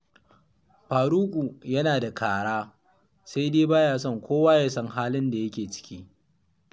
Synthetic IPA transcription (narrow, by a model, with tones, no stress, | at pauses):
ɸaː˨ɾuː˦kʷʼu˨jɐ˦naː˨da˨kʰaː˨ɽaː˦ | sa˦jdeː˦baː˦jaː˨sɔ˦˨ŋkʷʰoː˦waː˦ja˦sɐ˦ŋɦaː˦lɪ˦nda˨jɐ˦kʲeː˨t͡ʃɪ̥˦kʲiː˦